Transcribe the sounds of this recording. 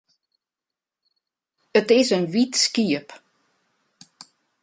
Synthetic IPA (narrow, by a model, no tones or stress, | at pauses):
ətɪsənʋitskiəp